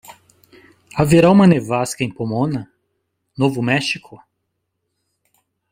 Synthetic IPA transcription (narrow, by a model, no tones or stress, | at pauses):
aveɾaũmɐnevaskɐẽj̃pomõnɐ | novʊmɛʃikʰʊ